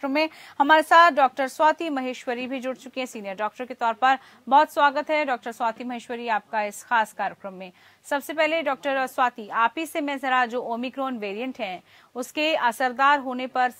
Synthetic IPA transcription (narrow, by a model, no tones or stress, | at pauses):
ɾəmːẽhɐmaːɾesaːt̪ʰɖɔːk̚ʈəɾswaːt̪ʰimɐɦeːʃwəɾibʱid͡ʒʊɽt͡ʃʊkeɦɛ̃siːnjəɾɖɔːk̚ʈəɾket̪ɔːɾpɐɾ | bɔɦːt̪swaːɡət̪ɦɛɖɔːk̚ʈəɾswaːt̪ʰimɐɦeːʃwəɾiaːp̚kaɪsxaːskaːɾjəkɾə̃mːẽ | sɐbsepɛɦleɖɔːk̚ʈəɾswaːt̪ʰiaːpisemɛ̃zɐɾad͡ʒoːoːmikɾoːnʋeːɾijə̃ɳʈɦɛ̃ | ʊskeɐsəɾd̪aːɾɦoːnepɐɾ